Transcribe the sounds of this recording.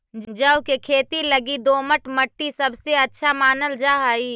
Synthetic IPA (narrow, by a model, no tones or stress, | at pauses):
d͡ʒəʊkekʰeːt̪ilɐɡid̪oːməʈməʈːisɐbseɐtːʃʰamaːnəld͡ʒaːɦaːiː